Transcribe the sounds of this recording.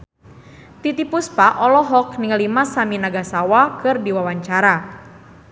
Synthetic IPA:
t̪it̪ipuspaʔɔlɔɦɔk̚niŋəlimasaminaɡasawakɨrdiwawaɲt͡ʃaɾa

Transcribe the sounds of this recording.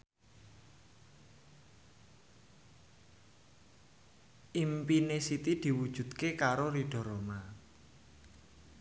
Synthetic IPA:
ʔimpinesit̪id̪̥i̤wud̥ʒ̥ṳd̪̚kekaɾoɾiɖ̥ɔ̤ɾoma

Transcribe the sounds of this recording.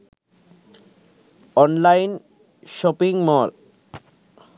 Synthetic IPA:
ɔnlajn | ʃɔpiŋmɔl

